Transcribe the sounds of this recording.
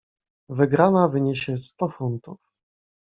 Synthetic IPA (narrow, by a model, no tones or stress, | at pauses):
vɘɡɾanavɘɲeɕɛst̪ɔfunt̪uf